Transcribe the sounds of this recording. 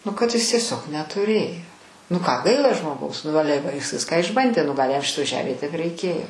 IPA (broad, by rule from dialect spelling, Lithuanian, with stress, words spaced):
nʊ kɐt ˈɪs tʲiɛˈsʲoːk nʲɛtʊˈrʲeːjoː nʊ ˈkɑː ˈɡɐɪlˠɐ ʒmoːˈɡɐʊs nʊ ˈɑːlʲɛ ʋɐ ˈjɪs ˈʋʲɪskɑː ɪʒˈbɐnʲdʲeː nʊ ˈɡɐlʲ jɛm ˈʃʲɪtoːj ˈʒʲæːmʲeːj tʲiɛk rɐɪˈkʲeːjoː